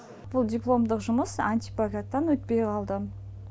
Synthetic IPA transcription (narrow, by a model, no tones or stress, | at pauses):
b̥ʊlˠd̪ʲiplˠo̞md̪əqʒʊməsant̪ijpaɡʲat̪ːɑnwɵt̪̚pejqʰɑlˠd̪ə